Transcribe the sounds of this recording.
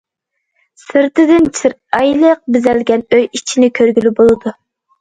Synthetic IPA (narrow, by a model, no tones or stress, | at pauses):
sɨɾt̪ɨd̪ɪnt͡ʃʰiɾ | ɑjlˠəq̚bɪzɛlɡʲɛnøjit͡ʃʰinɪkʲʰøɾɡʲylybolˠɨd̪u